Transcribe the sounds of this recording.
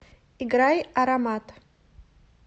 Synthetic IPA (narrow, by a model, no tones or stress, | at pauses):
iɡɾajaɾamat̪ʰʼ